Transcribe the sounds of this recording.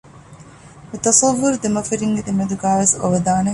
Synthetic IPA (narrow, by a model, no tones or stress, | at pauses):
met̪ɐsɐʋːuɾud̪emɐfɐɾiŋɡed̪emɐd̪uɡaːʋeso̰ʋɐd̪aːne